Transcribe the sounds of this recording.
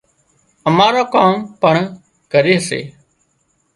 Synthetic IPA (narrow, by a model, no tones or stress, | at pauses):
əmaːɾaːkaːmpəɳ | kəɾeːɦsḛː